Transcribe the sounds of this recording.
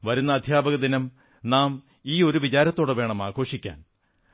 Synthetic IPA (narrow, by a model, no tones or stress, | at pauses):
ʋɐɾunːɐːd̪ʱjaːbɐɣɐd̪inɐm | naːm | iːo̞ɾuʋit͡ɕaːɾɐt̪ːo̞ːɽeʋeːɳɐmaːɡo̞ːʂikʲːa̰ːn